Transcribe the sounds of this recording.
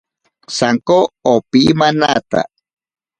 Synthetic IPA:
saŋkoːpimanat̪a̰

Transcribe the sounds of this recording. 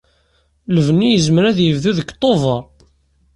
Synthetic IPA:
ləvənːijəzməɾæðjəvðuðəkːt̪ˤːovəɾˤ

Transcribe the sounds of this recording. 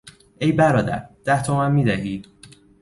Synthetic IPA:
ʔejbæɾɒːd̪æ̰ɾd̪̥æht̪ʰomænmiːd̪æɦiːd̪̥̚

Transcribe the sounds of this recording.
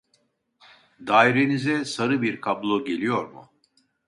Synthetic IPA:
d̪aːiɾe̞nizɛsaɾɯbiɾkʰablˠoɟe̞lʲijo̞ɾmʊ̰

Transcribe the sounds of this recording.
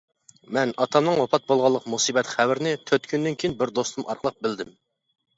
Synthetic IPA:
mɛnɑt̪ʰɑmnɨŋwopʰɑt̪̚bolˠʁɑlˠːəqmusibɛt̪χæwɪɾɪnɪt̪ʰøt̪kʲʰynd̪ɪnkʲʰijinbɪɾd̪ost̪umɑ̰ɾqəlˠəq̚bɪld̪ɪm

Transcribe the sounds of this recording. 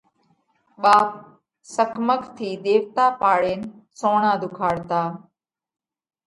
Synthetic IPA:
ɓaːp̚ | səkʰməkʰt̪ʰiːd̪eːʋt̪aːpaːɽeːnsõːɳãːd̪ʱʊkʰaːɽt̪aː

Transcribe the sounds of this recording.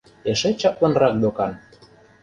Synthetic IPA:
eʃet͡ɕɑplɑnrɑk̚d̪okɑn

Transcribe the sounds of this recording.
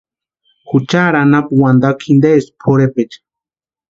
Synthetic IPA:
xut͡ʃaɾanapwand̪akʰind̪espʰoɾepet͡ʃ

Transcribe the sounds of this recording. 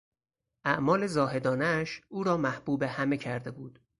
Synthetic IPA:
ʔæʔmɒːle̞zɒːɦhe̞d̪ɒːneʃʔuːɾɒːmæhb̥uːbe̞hæmecʰæɾd̪e̞buːd̪̥

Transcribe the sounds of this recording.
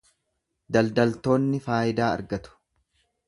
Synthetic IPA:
d̪ɐld̪ɐlt̪o̞ːnːɪfaːjɪd̪aːɐ̰ɾɡɐt̪ʊ̥

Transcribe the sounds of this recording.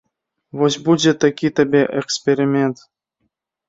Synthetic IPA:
vozʲbud͡ʑʲet̪akʲit̪əbʲeʔɛkspʲeɾʲimʲent̪

